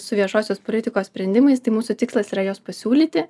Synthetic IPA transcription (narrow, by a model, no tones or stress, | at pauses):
sʊʋʲiɛʃoːsʲoːspoːlʲɪt̪ʲɪkoːssʲpʲɾʲɛnd̪ʲɪmɐɪst̪ɐɪmuːsʊt̪ʲɪkslˠɐsiːɾɐjoːspɐsʲuːlʲiːt̪ʲɪ